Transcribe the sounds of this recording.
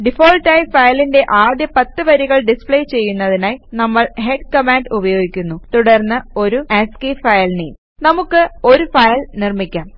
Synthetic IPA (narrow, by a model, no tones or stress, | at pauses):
ɖifo̞ːlʈːɐjfɐjlinde̞ʔaːd̪jɐpɐt̪ːɨʋɐɾiɣɐɭɖispɭejt͡ɕe̞jːunːɐðinaːjnɐmːɐɭɦe̞ɖkɐmaːnɖubɐjo̞ːɡikʲːunːut̪uɽɐrnːɨo̞ɾueskiːfɐjɐlniːn | nɐmukːɨo̞ɾufɐjlnirmikʲːaːm